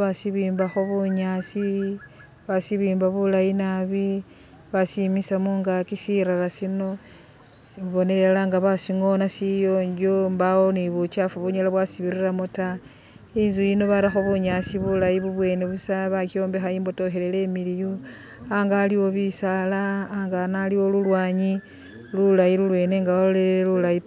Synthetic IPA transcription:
βasiβiːmbaxoβuɲasi | βasiβiːmbaβulajinaβi | βasimisamuŋɡakisiɾalasino̞ | βo̞ne̞lelaŋɡaβasiŋo̞nasijo̞ːɲd͡ʒombawoniβut͡ʃafuβuɲalaβwasiβiɾiramota | inzujino̞βaɾaxoβuɲasiβulajiβuβwe̞ːne̞βusaβakio̞ːmbe̞xaiːmbo̞to̞xe̞le̞le̞miliju | aŋɡaliwo̞βisalaːŋɡanaliwo̞lulwaːɲi | lulajilulwe̞ːne̞ŋɡaolelulaji

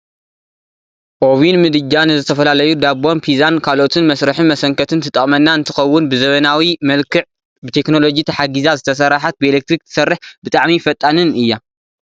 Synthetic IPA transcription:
ʔoβinmɨd̪ɨd͡ʒanzɨt̪ʰɐfɐlalɐjud̪abo̞npʰizankʰalʔo̞t̪ʰɨnmɐsɾɨħɨnmɐsɐŋkʰɐt̪ʰɨnt̪ʰɨt̪ʼːɐχʼmɐnːaɨnt̪ʰɨxɐwːʊnbɨzɐβɐnawimɐlkʰɨʕ | bɨt̪ʰe̞kno̞lo̞d͡ʒit̪ʰɐħaɡizazɨt̪ʰɐs̬ɐɾaħat̪̚bɨelek̚t̪ɾik̚t̪ʰɨ̥sɐrːɨħbɨt̪ʼaʕmifɐt̪ʼːanɨnɨjːa

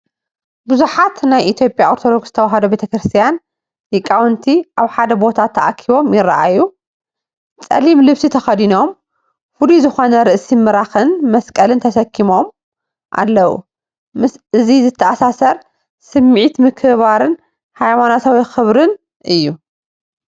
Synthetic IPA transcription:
buzuħat̪najʔit̪ʰjo̞pʼjaoɾt̪ʰo̞d̪o̞ɡsz̥ɨ̥t̪ʰɐwaɦɐd̪obe̞t̪ʰɐkɾɨst̪ʰijan | jɪkʼːawnt̪ʰiʔaβħad̪ɐbo̞t̪ʰat̪ʰːɐʔakʰiβo̞mjɪrːa̰ʔaju | t͡sʼɐ̰limlɨβsit̪ʰɐxɐd̪ino̞m | fuluzɨxo̞nɐɾɨʔsimɨɾaxɨnmɐskʼɐlɨnt̪ʰɐsɐkʰːimo̞m | ʔa̰lːɐwṵ | mɨsʔɨzizɨt̪ʰːɐʔasasɐɾ | sɨmːʕit̪mɨkʰɨβaɾɨn | hajmanat̪ʰawixɨβɾɨn | ʔɨjːu

